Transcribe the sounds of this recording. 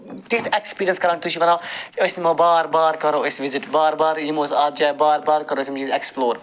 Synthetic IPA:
t̪it̪ʰekspiːɾijənskɐɾãːnt̪uʃʰiʋɐɾãːɐsmãːbaːɾbaːɾkɐɾoːəsʋizɪʈbaːɾbaːɾjimoːsaːt̪̚d͡ʒaːbaːɾbaːɾkɐɾoəsʲimd͡ʒieksploːɾ

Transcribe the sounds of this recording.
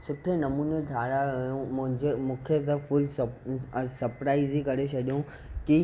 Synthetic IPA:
sʊʈʰenɐmuːneɖʱaːɾajõmʊ̃ɦɪ̃ɲd͡ʑemũːkʰet̪ɐfʊls | sɐɾpɾaːɪzikɐɾet͡ɕʰɐɗijũ | ki

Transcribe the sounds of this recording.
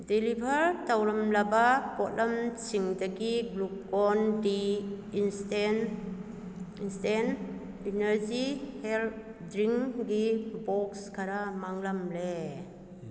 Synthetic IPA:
dilibʱɐɾtawlɐmlabapɔt̚lʔamt͡ʃʰiŋdaɡiɡlup̚kɔndiː | nsten | instɛn | inɐɾzihɛlt̚dɾiŋɡibɔkskʰaɾamaŋlamle

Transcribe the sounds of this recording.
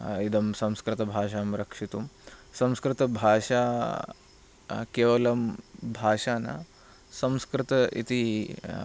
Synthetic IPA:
id̪ʱɐmsɐ̃mskɾɪt̪ɐbʱaːʂaːmɾɐkʂit̪umsɐ̃mskɾɪt̪ɐbʱaːʂaː | keːʋɐlɐmbʱaːʂaːna̰ | sɐ̃mskɾɪt̪ɐḭt̪i

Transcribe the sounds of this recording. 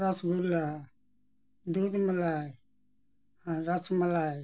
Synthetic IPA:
ɾat͡ʃɡula | dudmalaj | haɾat͡ʃmalaj

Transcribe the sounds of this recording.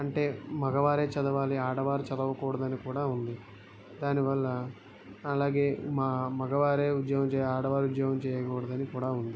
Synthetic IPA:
ɐɳʈe̞ːmɐɡɐʋaːɾe̞ːt͡ʃɐd̪ɐʋaːliaːɽɐʋaːɾit͡ʃɐd̪ɐʋɐkɔːɽɐd̪ɐnikuːɽaːund̪i | d̪aːniʋɐlːɐː | laːɡe̞ːmaːmɐɡɐʋaːɾeːud̪jɐɡɐmt͡ʃɛːjaːɽɐʋaːɾiud̪jɐɦɐmt͡ʃɛːjɐkɔːɽɐd̪ɐnikuːɽaːund̪i

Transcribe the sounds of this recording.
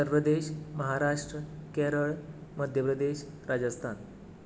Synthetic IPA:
əɾpɾəd̪eɕməɦaɾaʂʈɾəkeɾəɭməd̪ʱjəpɾəd̪eʃ | ɾad͡ʑəst̪ʰan

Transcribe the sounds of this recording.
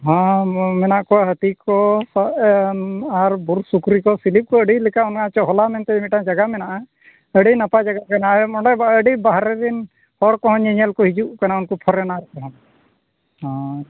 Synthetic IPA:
ɦãmɛnaʔkɔwaɦət̪ikɔsa | aɾbuɾsukɾikɔsilip̚kɔəɖilɛkaunkãt͡ʃɔɦɔlamɛnt̪ɛimiʈãd͡ʒaɡamɛnaʔa | əɖinapad͡ʒaɡakanamɔɳɖɛbaəɖibaɦɾɛɾin | hɔɽkɔɦɔ̃ɲɛɲɛlkɔɦid͡ʒuʔkanaunkɔpʰɔɾɛnaɾɛkɔɦɔ̃n | hã

